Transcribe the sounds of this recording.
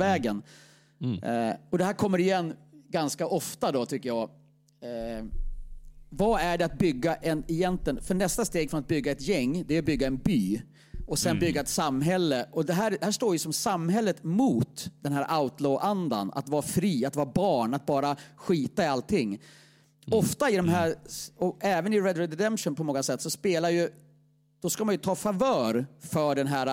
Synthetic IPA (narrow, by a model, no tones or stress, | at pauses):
vɛːɡən | ɔd̪ɛhæːɾkʰɔmːəɾɪjɛnːɡanskaʔɔft̪ad̪ɔt̪ʰʏkːəjɑː | vaæɖɛat̪̚bʏɡːaʔɛnɛjɛnt̪lɪənfœɳɛst̪ast̪eːɡfɾɔnat̪̚bʏɡːaɛt̪jɛŋːd̪ɛæɾbʏɡːaɛnbyː | ɔsɛnbʏɡːaɛt̪samːɦɛlːəʔɔd̪ɛɦæːɾd̪ɛhæːʂʈ̪oːɾjɵsɔmsamːɦɛlːət̪muːt̪d̪̥ɛnɦæːɾʔaʊt̪loːʔand̪a̰na̰t̪vɑːɾafɾiːat̪vɑːɾabɑːɳat̪̚bɑːɾaɧiːt̪aɪalt̪ʰːɪŋː | ɔft̪aɪd̪ɔmɦæːɾɔɛːvənɪɾɛd̪ɾɛd̪ɛd̪ɛmʂɔnpʰɔmɔŋːasɛt̪ːsɔspeːlaɾjɵ | d̪̥ɔskamanjɵt̪ʰɑːfavœːɾfœɖɛnɦæːɾa